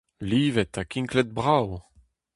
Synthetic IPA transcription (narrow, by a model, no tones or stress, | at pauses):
liːvɛt̪akĩŋklɛt̪̚bʁaw